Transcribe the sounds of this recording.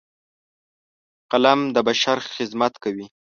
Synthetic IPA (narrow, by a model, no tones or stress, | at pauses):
qalamd̪əbaʃaɾxɪzmat̪kawi